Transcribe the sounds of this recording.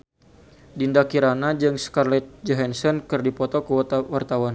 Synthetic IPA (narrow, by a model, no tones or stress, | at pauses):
dindakiɾanad͡ʒɨŋskarlɛt̪̚d͡ʒɔɦɛnsɔnkɨrdipɔt̪ɔkəwart̪awan